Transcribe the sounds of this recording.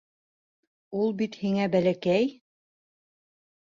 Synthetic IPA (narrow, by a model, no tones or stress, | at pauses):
ulˠbit̪hiŋæbælækæj